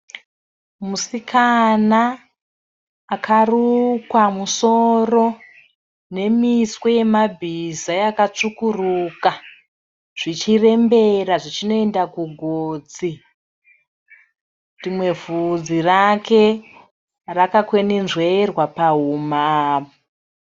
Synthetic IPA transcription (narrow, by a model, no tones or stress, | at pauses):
musikʰana | karukwamuso̞ro̞ | ne̞miswe̞je̞mabʱizajakat͡ʂukuruːka | ʐ̥it͡ʃire̞mbe̞raʐit͡ʃino̞e̞ndakuɡʱoːd͡zi | rimwe̞vud͡zirakʰe̞ | rakakweninʐwerwapaɦumaːo